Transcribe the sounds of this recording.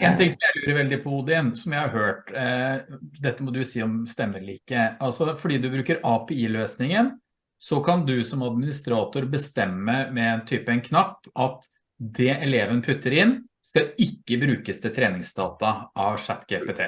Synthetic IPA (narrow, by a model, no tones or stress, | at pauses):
ɛːnt̪ʰɪŋsɔmjæɪlʉːɾəɾʋɛld̪ɪpʰɔd̪ɪnsɔmjæɪhɑɾhøːʈ | d̪ɛt̪ːəmɔd̪ʉjʊsiːɔmst̪ɛmːəɭiːkəɑlsɔfɔɖiːd̪ʉbɾʉːkəɾɑpʰɛiːløːsnɪŋən | sɔkʰɑnd̪ʉsɔmɑd̪mɪnɪst̪ɾɑːt̪ʊɾbəst̪ɛmːəmɛɛnt̪ʰyːpɛnkʰnɑpːʔɑt̪ | d̪ɛʔɛleːʋənpʰʉt̪ːəɾɪnskɑɪkːəbɾʉːkəst̪ʰɪlt̪ʰɾeːnɪŋsd̪ɑːt̪ɑʔɑʋʂæt̪ːɡelpɛt̪ʰḛː